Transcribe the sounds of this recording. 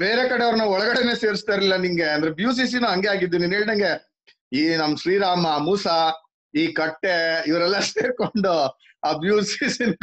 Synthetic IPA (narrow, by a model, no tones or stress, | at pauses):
beːɾekɐɽeɐʋɐɾnɐɔɭɐɡɐɽene̞ːseːɾist̪aɾlilːɐniŋɡe̞ɐnd̪ɐɾebjuːs̬iːs̬inuɦɐŋɡeaːɡid̪ːuniːneːɭid̪ɐŋɡe̞ | iːnɐmːɐʃɾiːɾaːmɐmuːsa | iːkɐʈːeiʋɐɾɛlːɐseːɾko̞ɳɖu | aːbjuːsisinu